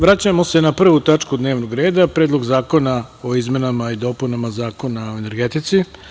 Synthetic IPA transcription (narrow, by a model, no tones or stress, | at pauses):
ʋɾat͡ɕamo̞se̞napr̩ʋut̪at͡ʂkud̪ne̞ːʋnoɡɾe̞ːd̪apɾeːd̪lˠo̞ɡzaːko̞na | o̞izme̞namaid̪o̞ːpunamazaːko̞nao̞ene̞ɾɡet̪it̪si